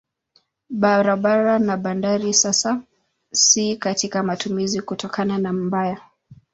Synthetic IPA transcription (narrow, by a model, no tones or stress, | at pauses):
ɓaɾaɓaɾanaɓandaɾisasa | sikatikamatumizikutɔkananam̩baja